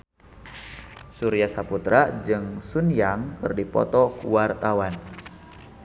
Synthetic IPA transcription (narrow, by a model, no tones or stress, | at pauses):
suɾiasaput̪ɾad͡ʒɨŋsunjaŋkɨrdipɔ̰t̪ɔkuwart̪awan